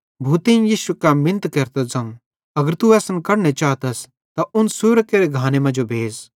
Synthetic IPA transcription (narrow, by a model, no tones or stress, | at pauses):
bʱuːt̪eĩjiːsukamɪ̃nt̪keːɾt̪ɐzɐ̃m | ɐɡəɾt̪uɛːsnkɐɾñet͡ʃaːt̪ɐs | t̪aʔʊnsʊɾkeːɾeɡʱaːnemɐ̃d͡ʒobʱeːz